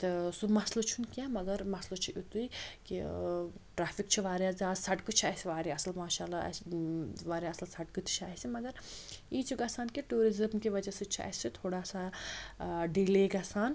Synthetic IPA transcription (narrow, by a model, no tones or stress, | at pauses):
t̪ɨsumɐslot͡ʃʰunkʲaːmɐɡɐɾmɐslot͡ʃʰiʔut̪uikḭ | ʈɾaːfikt͡ʃʰiʋaːɾjaːzaːsɐʈkɨt͡ʃʰaːsiʋaːɾiɐslmaːʃaːla̰ | ʋaːɾʲjaɐslsɐʈkɨt̪ʰi̥t͡ʃʰaːɦisimɐɡɐɾiːt͡ʃʰiɡaːsaːnkiʈuːɾizɐmkiʋɐd͡ʒɐsit͡ʃʰia̰ːisit̪ʰoːɽaːsa | ɖiːleːɡaːsaːn